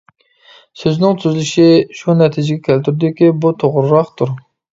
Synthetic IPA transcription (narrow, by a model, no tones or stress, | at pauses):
søznɪŋt̪ʰyzlyʃiʃunɛt̪ʰɪd͡ʒɪɡʲɛkʲʰælt̪ʰyɾd̪ɪkʲibut̪ʰoʁɾɾɑχt̪ʰuɾ